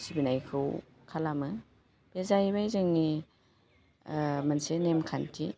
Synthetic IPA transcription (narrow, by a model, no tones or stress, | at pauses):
sibinajkʰɯw | kʰalamɯ | b̥ezajβajzɯŋni | mansenemkʰantʰi